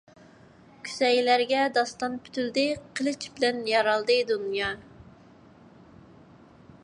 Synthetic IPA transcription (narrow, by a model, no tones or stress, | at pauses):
kʲʰy̥sɛjlæɾɡʲɛd̪ɑst̪ɑnpʰy̥t̪ʰyld̪ɪqʰəlˠɨt͡ʃbɪlɛnjɑɾɑlˠd̪ɨd̪unjɑ